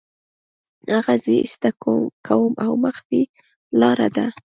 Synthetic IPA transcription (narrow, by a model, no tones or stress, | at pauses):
haɣazəɪ̰st̪akʰokʰawəmʔawməxbi | lɑɾa̰d̪a